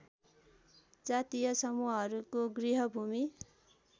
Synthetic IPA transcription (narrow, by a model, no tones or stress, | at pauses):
d͡zat̪ijʌsʌmuɦʌɦʌɾukoɡriɦʌbʱumi